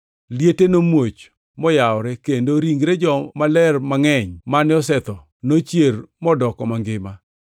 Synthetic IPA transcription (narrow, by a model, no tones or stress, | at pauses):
ljetenomwot͡ʃ | mɔjaɔɾɛkendoɾiŋɡɾed͡ʒɔmalɛrmaŋɛɲmanɪɔsɛt̪ɔ | not͡ʃjermɔdɔkɔmaŋɡɪma